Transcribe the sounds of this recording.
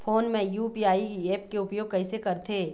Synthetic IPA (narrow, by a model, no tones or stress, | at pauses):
foːnmẽjuːpiːaːiieːp̚keʊpjoːɡ̚kɐisekɐɾt̪ʰeː